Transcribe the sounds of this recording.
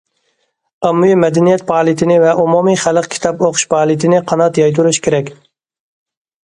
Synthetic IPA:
ɑmːujimɛd̪ɛnijɛt̪̚pʰɑːlˠit̪ʰɪnɪvɛʔumumiχælˠəqkʲʰi̥t̪ʰɑpoqʰʊ̥ʃpʰɑːlˠit̪ʰɪnɪqʰɑnɑt̪jɑjt̪ʰuɾuʃkʲʰeɾɛkʲ

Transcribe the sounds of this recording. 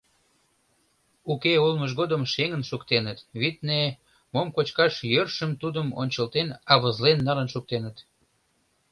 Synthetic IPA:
ukeulməʒ̬ɣod̪əmʃeŋənʃukt̪enət̪βit̪ne | momkot͡ɕkɑʃjørʃəmt̪ud̪əmo̰nʲt͡ɕəlt̪enɑβəzlenːɑlənʃuk̚t̪enət̪

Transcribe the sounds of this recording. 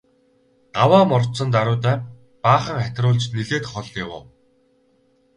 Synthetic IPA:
ɢawaːmɔrt̪t͡sə̆nt̪aɾʊːt̪æː | paːχə̆ŋχæt̪ʲrʊːɮt͡ɕniɮeːt̪χɔɮawʊ̰ː

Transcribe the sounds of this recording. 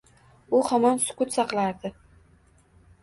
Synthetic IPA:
ʊhamɒnsʊ̥kʊt̪sɑqlˠaɾd̪ɪ

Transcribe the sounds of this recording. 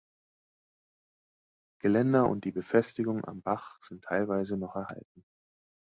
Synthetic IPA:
ɡ̥əlɛndɐʔʊ̰nt̚d̥iːbəfɛstɪɡʊŋʔa̰mbaχz̥ɪntʰːaɪlvaɪzənɔχɛɐha̰lt̚n̩

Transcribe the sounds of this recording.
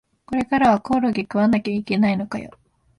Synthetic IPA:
ko̞ɾe̞kaɾaβakoːɾoɡʲikɯ̟βanakʲaike̞naino̞kajo̰

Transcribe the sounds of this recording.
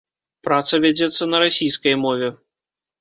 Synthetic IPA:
pɾat̪sɐvʲad͡zʲɛt̪sːɐnɐɾasʲijskɐjmɔvʲɛ

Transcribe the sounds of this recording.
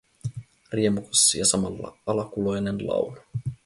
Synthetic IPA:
riemukosːijɑsɑmɑlːɑ̰ɑlɑkulo̞jnenlɑ̰wnɑ̥

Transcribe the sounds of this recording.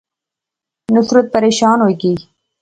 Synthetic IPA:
nʊsɾət̪̚pɐɾeːʃɑːnoki

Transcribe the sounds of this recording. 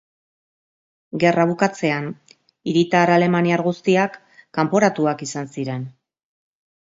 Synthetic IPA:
ɡe̞raβ̞ukat͡se̞an | iɾit̪aɾale̞maniaɾɣust̪iakː | ampoɾat̪uakisansiɾe̞n

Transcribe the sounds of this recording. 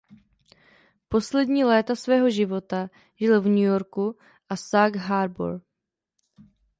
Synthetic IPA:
po̞slɛdɲiːlɛːt̪asvɛːɦo̞ʒɪvo̞t̪a | ʒɪlvɲujo̞ɾku | ʔasaɡɦaɾbo̰ɾ

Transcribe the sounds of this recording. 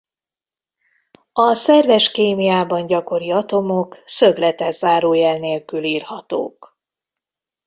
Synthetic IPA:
ɒsɛrvɛʃkeːmijaːbɒɲɟɒko̞ɾiɒt̪o̞mo̞ksøblɛt̪ɛzaːɾoːjɛlneːlkyliːrhɒt̪o̰ːk

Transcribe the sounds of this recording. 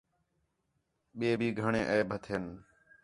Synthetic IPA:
ɓeːbʱiːɡʱəɳẽːʔəːbʱət̪ʰɦen

